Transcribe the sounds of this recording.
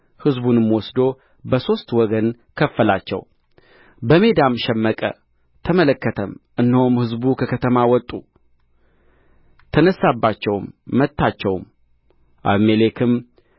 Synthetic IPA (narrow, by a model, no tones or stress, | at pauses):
hɨzbunɨmwɔsd̪o̞ | bəso̞st̪wɔɡən | kʰəfːəlat͡ʃːɛ̰w | bəme̞d̪amʃɛmːəkʼə̰ | t̪ʰəmələkːət̪ʰəmʔɨnːɨhomhɨzbukʰəkʰət̪ʰəmawɔt̪ʼu | t̪ʰənəsːabːat͡ʃːɛwmːət̪ʰːat͡ʃːɛwm | ʔa̰βmelekʰɨm